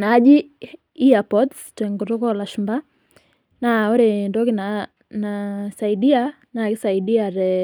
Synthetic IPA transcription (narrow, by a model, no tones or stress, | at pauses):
nad͡ʒi | iapɔtstɛŋkɔtɔkɔlaʃmba | naoɾendɔkina | nasaiɗia | nakɪsaidiaɾɛ